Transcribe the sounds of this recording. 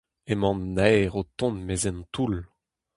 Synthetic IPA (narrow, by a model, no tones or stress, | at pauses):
emɑ̃nːɛʁot̪ɔ̃nmezɛnt̪ul